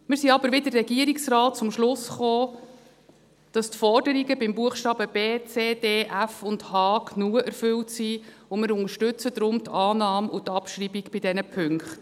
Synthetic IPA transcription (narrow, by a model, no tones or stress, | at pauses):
mɪːɾsiɑbəɾʋɪdərrɛɡiəɾiksrɑːt̚t͡sʊmʃlʊsχoː | d̥ɑstfɔrdəɾiɡəbɪmbuəχʃtɑːbəbeːt͡seːdeːʔæfʊndhɑːknuəʔɛɾfʏltsiːʊmɪɾʊŋəʃtʉt͡səd̪ɾʊmtʰɑːnɑːmʔʊtɑpʃɾibiɡb̥ɪdɛnəpʰʏŋkχt